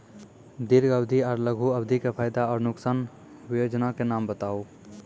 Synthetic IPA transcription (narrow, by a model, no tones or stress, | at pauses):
d̪iɾɡəbd̪ʱiɔːɾləɡʱuəbd̪ʱikepʰaːjd̪aɔːɾnʊksaːn | bjod͡ʒnakenambət̪aːu